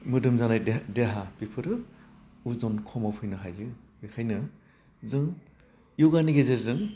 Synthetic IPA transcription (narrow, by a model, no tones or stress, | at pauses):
mɯdɯmzanajdeɦapipʰɯɾɯ | uzɔnkʰɔmawpʰɯjnɯɦajɯ | bekʰajnɯ | zɯŋ | juwɡaniɡezeɾzɯŋ